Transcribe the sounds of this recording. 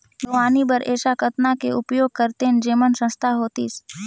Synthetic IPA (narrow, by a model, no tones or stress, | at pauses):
d̪oaːnibəɾeːʃakət̪nakeʊpjoːɡ̚kəɾt̪end͡ʒeːmənsə̃st̪ʰaɦoːt̪ḭs